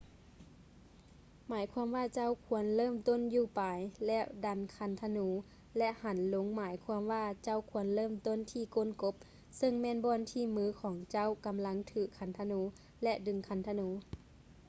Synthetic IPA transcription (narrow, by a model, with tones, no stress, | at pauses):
maː˨˩˦jkʰwaː˧˥˨mʋaː˧˩t͡ɕa˧˥˨wkʰu˧˩˦ənlɤː˧˥˨mt̪o˧˥˨njuː˧˩paː˨˩jlɛ˧˥˩wda˨˧˩nkʰa˧˩nt̪ʰa˧nuː˧˦ | lɛ˧˥ʔha˨˦nlo˨˦ŋmaː˩˦jkʰwaː˧mʋaː˧˩t͡ɕa˧˩˨wkʰu˧˦ənlɤː˧˥˨mt̪o˧˥˨nt̪ʰiː˧˩ko˧˥˨nko˧˥p̚ | sɤ˧˨ŋmɛː˧˥˨nbɔː˧˨nt̪ʰiː˧˩˨mɯː˧˥˩kʰɔː˨˦ŋt͡ɕa˧˥˨wka˨˦mla˧˥ŋt̪ʰɯː˧˩kʰa˧˩nt̪ʰa˧nuː˧˦ | lɛ˧ʔdɯ˧ŋkʰa˧˩nt̪ʰa˧nuː˨˦